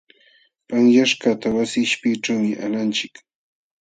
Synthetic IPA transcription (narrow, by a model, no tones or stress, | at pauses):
paŋjaʃkat̪awasɪɪʃpɪʈ͡ʂawmɪʔalant͡ʃɪk